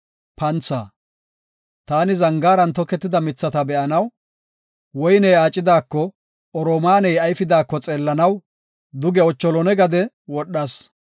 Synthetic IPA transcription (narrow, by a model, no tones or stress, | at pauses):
pɐnt͡sːa̰ː | t̪aːnɪzɐŋɡaːɾɐnt̪ɔkːɛt̪ːɪd̪ɐmɪt͡sːɐt̪ɐbɛʔɐnɐw | wɔjnɛjaːt͡ʃʼːɪd̪aːkːɔ | ɔɾoːmaːnɛjɐjfɪd̪aːkːɔt͡sʼeːlːɐnɐw | d̪ʊɡɛɔt͡ʃːɔlɔnɛɡɐd̪ɛ | wɔɗːɐs